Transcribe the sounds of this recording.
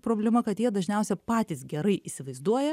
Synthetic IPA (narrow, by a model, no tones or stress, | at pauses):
pɾoːbʲlʲɛmɐkɐt̪jiɛd̪ɐʒʲnʲɛʊsʲɛpɑːt̪ʲiːsɡʲɛɾɐɪʔiːsʲɪʋɐɪzd̪uɔjɛ